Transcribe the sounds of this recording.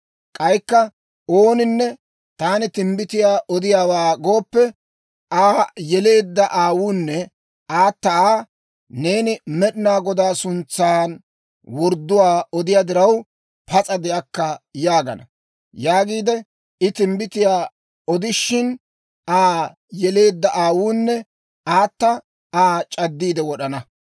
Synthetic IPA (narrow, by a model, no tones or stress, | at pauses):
kʼɐjkːɐ | oːnɪnːɛ | t̪aːnɪt̪ɪmbɪt̪ɪjaːʔɔd̪ɪjaːwaːɡoːpːɛ | aːjɛle̞ːd̪ːɐʔaːwunːɛ | aːt̪ːɐaː | ne̞ːnɪmɛɗɪnaːɡɔd̪aːsʊnt͡sːaːn | wɔɾd̪ːʊwaːɔd̪ɪjaːd̪ɪɾɐw | pɐt͡sʼɐd̪ɛɐkːɐjaːɡɐ̰nɐ | jaːɡiːd̪ɛ | ɪt̪ɪmbɪt̪ɪjaː | ɔd̪ɪʃːɪn | ʔaː | jɛle̞ːd̪ːɐʔaːwuːnːɛ | ʔaːt̪ːɐ | aːt͡ʃʼɐd̪ːiːd̪ɛwɔɗɐnɐ